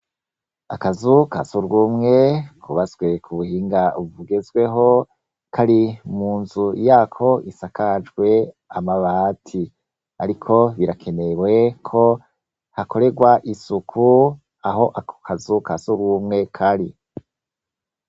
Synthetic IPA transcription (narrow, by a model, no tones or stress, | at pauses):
akazuka̰suɾɡumŋe̞kʰuβazɡwe̞kʰuβuhiːŋɡauvuɡezɡwe̞ɦo̞ | kʰaɾimuːnzujaːkʰo̞ʔisakʰad͡ʒɡwe̞ | amaβatʰi | a̰ɾikʰo̞βiɾakʰe̞ne̞ɾwe̞kʰo̞ | hako̞ɾe̞ɡwaʔisukʰu | aɦo̞ʔakkʰazukasuɾɡumŋe̞kʰaɾi